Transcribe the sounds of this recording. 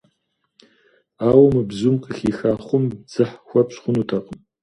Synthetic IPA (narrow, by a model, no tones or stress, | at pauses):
aːwɐmɨbzumqʼəxʲixaːχʷʊmd͡zɨħxʷapɕχʷʊnutʰaqʼəm